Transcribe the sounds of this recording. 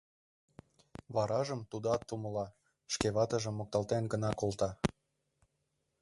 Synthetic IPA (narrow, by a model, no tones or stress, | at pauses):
βɑɾɑʒə̆mt̪ud̪oɑt̪ːumə̆lɑ | ʃkeβɑt̪ə̆ʒə̆mːok̚t̪ɑlt̪enɡənɑkolt̪ɑ